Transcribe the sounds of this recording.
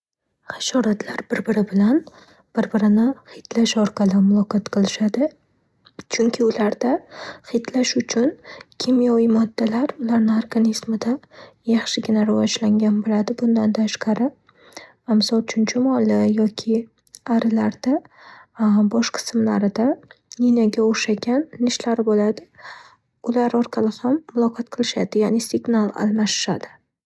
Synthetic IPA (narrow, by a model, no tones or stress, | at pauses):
χɑʃɒɾat̪ʰlaɾbɪɾbɪɾɪbɪlan | b̥ɪɾbɪɾɪnɪχɪt̪laʃɒɾqʰɑlɪmʊlˠɒqʰɒt̪qʰɨlˠɪʃad̪ɪ | t͡ʃʰʊŋkʲʰɪʊlaɾd̪aχɪt̪laʃʊt͡ʃʰʊnkʲʰɪmjɒvɪmɒd̪ːalaɾʊlaɾnɪaɾɡanismɪd̪ajaχʃɪɡʲɪnaɾɪvɒd͡ʒlaŋɡʲanbolad̪ɪbʊnd̪ant̪ʰaʃqʰɑɾɪ | amsɒlˠt͡ʃʰʊnt͡ʃʰɪmɒlˠɪjɒkʲʰɪ | aɾɪlaɾd̪̥a | bɒʃqʰɨ̥smla̰ɾɪd̪aninaɡʲaoʃaɡʲanːɪʃlaɾɪbolad̪ɪ | ʊlaɾɒɾqʰɑlɪhamːʊlˠɒqʰɒt̪qʰɨlˠɪʃad̪ɪjanɪsɪɡnalˠa̰lˠmaʃɪ̥ʃad̪ɪ